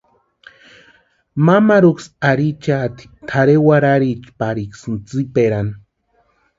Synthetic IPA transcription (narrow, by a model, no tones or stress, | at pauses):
mamaɾuksaɾit͡ʃat̪i̥t̪ʰaɾewaɾaɾit͡ʃpaɾiksɨnt͡sipeɾan